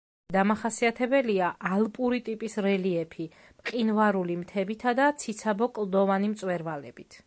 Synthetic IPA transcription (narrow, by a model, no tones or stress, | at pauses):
d̪amaχasiat̪ʰɛbɛliaʔalˠpʼuɾit̪ʼipʼisɾɛliɛpʰi | mqʼinvaɾulimt̪ʰɛbit̪ʰad̪at̪sʰit̪sʰabɔkʼlˠd̪ɔvanimt̪sʼwɛɾvalɛ̰b̥it̪ʰ